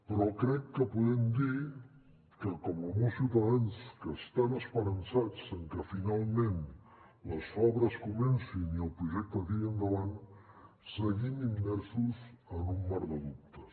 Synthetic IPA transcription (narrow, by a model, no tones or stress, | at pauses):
pɾɔkɾɛkːəpuðɛmd̪i | kəkɔməlɣusiwt̪əðanskəst̪anəspəɾənsat͡səŋkəfinalˠmẽn | ləsɔβɾəskumɛnsiniəlˠpɾuʒɛk̚t̪əkiənd̪əβan | səɣimimːɛɾsuzənumːaɾðəðup̚t̪ə